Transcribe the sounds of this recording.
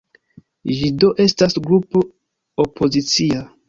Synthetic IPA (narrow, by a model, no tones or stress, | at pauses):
d͡ʒido̞ʔe̞stasɡɾupo | opʰo̞zit͡sia